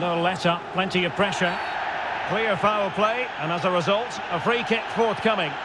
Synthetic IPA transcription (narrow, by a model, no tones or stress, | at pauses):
noʊlɛtəpʰl̥ɛ̃ntiəv̥pʰɹ̥ɛʃə˞ | kʰl̥ɪəɹəfaɪəl̩ˠpʰl̥eɪə̃nəzəɹɪzʌlˠt | əfɹiːkʰɪpfɔɹθkʰʌmɪ̃ŋ